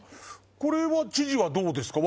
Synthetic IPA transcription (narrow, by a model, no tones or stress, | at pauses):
ko̞ɾe̞βat͡ɕiʑiβad̪o̞ːd̪e̞sɨ̥kaβ